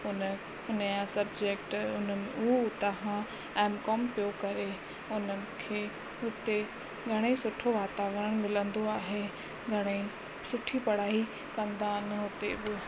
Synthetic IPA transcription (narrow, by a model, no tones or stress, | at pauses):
ʊnə | ʊnjãsɐbd͡ʑek̚ʈʊnəut̪ɐɦã | ɛ̃ːmkɔːmpijokɐɾe | ʊnəɪkʰeː | ɦʊt̪e | ɡʱɐɽ̃esʊʈʰoʋaːt̪aːʋəɾəɽ̃mɪlə̃nd̪oaːɦe | ɡʱɐɽ̃e | sʊʈʰipɐɽ̤aːi | kɐ̃nd̪anəɦʊt̪ebɪ